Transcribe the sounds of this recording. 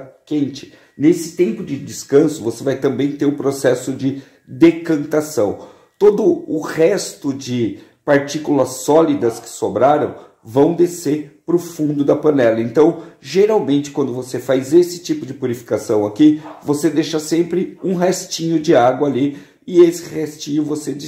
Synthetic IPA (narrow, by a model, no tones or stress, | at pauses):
kẽnt͡ʃɪ̥ | nesɪ̥t̪ẽmpʊd͡ʒɪd͡ʒɪskɐ̃sʊvosevajt̪ɐ̃mbẽj̃t̪eɾʊpɾosɛsʊd͡ʒɪ | d̪ekɐ̃nt̪asɐ̃w̃ | t̪od̪ʊʊhɛst̪ʊd͡ʒɪ | paɾt͡ʃikulɐsːɔlid̪ɐskɪ̥sobɾaɾɐ̰̃w̃ | vɐ̃w̃d̪eseɾpɾʊfũnd̪ʊd̪ɐpɐ̃nɛlɐẽnt̪ɐ̃w̃ʒeɾawmẽnt͡ʃɪ̥kwɐ̃nd̪ʊvosefajzesɪ̥t͡ʃipʊd͡ʒɪpuɾifi̥kasɐ̃w̃akivosed̪eʃɐsẽmpɾɪũɦɛst͡ʃĩɲʊd͡ʒɪaɡwɐali | ɪesɪ̥hɛst͡ʃĩɲʊvosed͡ʒɪ